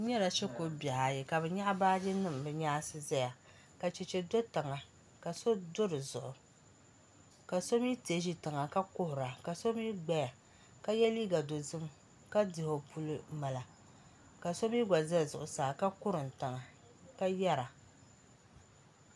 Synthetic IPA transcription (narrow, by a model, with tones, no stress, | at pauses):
ɲɛ˦la˨ʃɛ˦ko˦bʲɛ˨ha˨jɛ˨ka˨bɛ˨ɲa˦ʔbaː˦d͡ʒɪ˦nɨ˦˨m˨bɨ˨ɲaː˦sɨ˦za˦ja˨ | ka˨t͡ʃɛ˨t͡ʃɛ˨do˦ta˨ŋa˨ | ka˨so˦do˦ɾɨ˨zʊ˨ʔʊ˨ | ka˨so˦mi˦ti˨e˨˦ʒi˦tɨ˨ŋa˨ka˦kʊ˦hʊ˨ɾa˨ka˨so˦mi˦ɡ͡ba˦ja˨ | ka˦jɛ˦liː˦ɡa˨do˨zɨ˦m | ka˦dɪ˨ho˨pu˦lɨ˦ma˨la˨ | ka˨so˦mi˦ɡʷa˨zɨ˦˨zʊ˨ʔʊ˨saː˨ka˦kʊ˦ɾɨ˨n̩˨tɨ˨ŋa˨ | ka˦jɛ˦ɾa˨